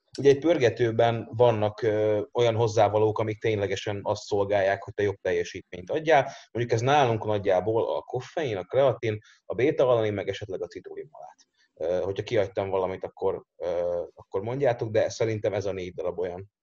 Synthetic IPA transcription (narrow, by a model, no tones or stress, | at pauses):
uɟɛɛc̚pørɡɛt̪øːbɛnvɒnːɒkøo̞jɒnɦo̞zːaːvɒloːkɒmik̚t̪eːɲlɛɡɛʃɛnɒst̪so̞lɡaːjːaːkho̞c̚t̪ɛjo̞b̚t̪ɛjːɛʃiːt̪̚meːɲt̪ɒɟːaːlmoɲɟukɛznaːluŋknɒɟːaːboːlɒ̰ko̞fɛjinɒkrɛɒt̪in | ɒbeːt̪ɒɒlːɒnimɛɡɛʃɛt̪lɛɡɒt̪sit̪oːimɒ̰la̰ːt̪ | øho̞cʰhɒkiɒct̪ɒɱvɒlɒmit̪ɒkːo̞røːɒkːo̞rmo̞ɲɟaːt̪o̞ɡ̚d̪ɛsɛɾint̪ɛmɛzɒneːɟd̪ɒlɒbo̞jɒn